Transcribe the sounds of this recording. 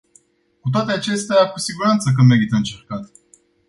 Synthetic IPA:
kut̪̬oat̪eat͡ʃe̞st̪eakusiɡuɾant̪sək̬əme̞ɾit̪əɨnt͡ʃe̞rkat̪

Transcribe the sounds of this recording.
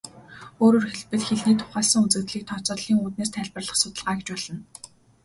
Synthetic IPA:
oːɾoːrxeɮpɘ̆ɮxeɮniːt̪ʰʊ̥χæːsə̆ŋut͡sɘ̆kt̪ɮiːk̚t̪ʰɔt͡sɔːɮiːŋuːt̪̚neːs̬t̪ʰæɮʲpə̆rɮə̆χsʊt̪ə̆ɮʁaːɡet͡ɕpɔɮ̥ə̆n

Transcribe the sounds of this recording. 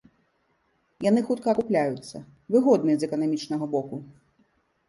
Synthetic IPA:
janɨxut̪kɐːkuplʲajut̪sːɐ̰ | vɨɣɔd̪nɨzɛkɐnamʲit͡ʂnɐɣɐbɔku

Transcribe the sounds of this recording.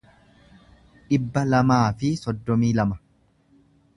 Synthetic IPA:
ᶑɪbːɐlɐmaːfɪsɔd̪ːɔmiːlɐmɐ

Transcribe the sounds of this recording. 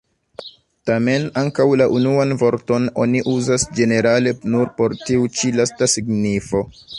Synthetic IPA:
tame̞naŋkawlaʔunuanvo̞ɾto̞no̞̰niʔuzasd͡ʒe̞ne̞ɾale̞nuɾpo̞ɾtiut͡ʃilastasiɡnifo̞

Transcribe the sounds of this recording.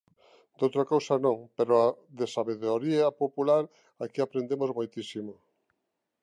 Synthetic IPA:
d̪owt̪ɾakowsanõŋpeɾoaðesaβeðoɾiapopulaɾ | akiapɾend̪emozmojt̪isimo

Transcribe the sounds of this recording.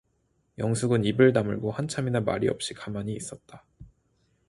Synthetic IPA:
jʌŋsʰuɡɯnibɯɭnamɯ̰ɭɡohant͡ɕʰaminama̰ɾiʌ̰p̚ɕ͈ikamaɲiːs͈ʌt̚t͈a

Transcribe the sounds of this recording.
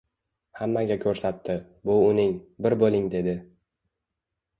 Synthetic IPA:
hamːaɡʲakʲʰɵɾsat̪ʰːɪ | bʊʊnɪŋbɪɾbolˠɪŋd̪e̞d̪ɪ

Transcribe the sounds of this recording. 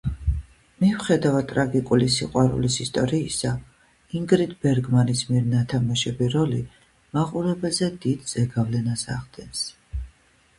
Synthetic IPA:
mivχɛd̪avat̪ʼɾaɡikʼulisiqʼwaɾṵlisist̪ʼɔɾiːsa | iŋɡɾit̪ʰbɛɾɡmanismiɾnat̪ʰamaʃɛbiɾɔli | maqʼuɾɛbɛlzɛd̪id̪z̥ɛɡavlɛnasa̰ʁd̪̥ɛns

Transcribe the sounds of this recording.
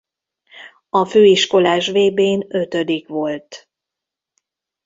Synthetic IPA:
ɒføːiʃko̞laːʃʋeːbeːnø̞t̪ød̪ikʋo̞lt̪

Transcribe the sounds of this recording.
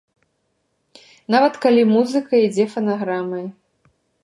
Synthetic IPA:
navɐt̪kalʲimuzɨkɐid͡zʲɛfɐnaɣɾamɐj

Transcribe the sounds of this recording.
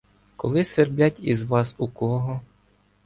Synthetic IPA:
kɔlˠɪserblʲatʲizʋɑsukɔɦɔ

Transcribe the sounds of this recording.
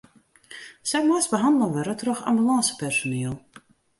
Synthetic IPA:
sɛjmaːsbəɦɑndəlˠəʋəɾətrɔxa̰mbylɑːsə̥pɛrsoneːəlˠ

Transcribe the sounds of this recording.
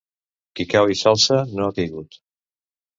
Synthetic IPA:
kikawisalˠsənoakəjɣut̪

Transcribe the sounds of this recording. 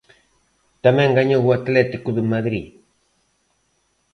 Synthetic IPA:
t̪amɛ̃ŋɡaɲoɣuat̪lɛt̪ikuðumaðɾi

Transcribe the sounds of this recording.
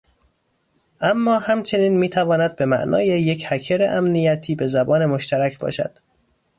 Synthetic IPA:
ʔæmːɒːhæmt͡ʃʰe̞niːnmiːt̪ʰævɒːnæd̪̚be̞mæʔnʔɒ̰ːjeje̞cʰhæcʰeɾḛʔæmnijæt̪ʰiːbe̞zæbɒːne̞moʃt̪ʰæɾæcʰbɒ̰ːʃæ̰d̪̥

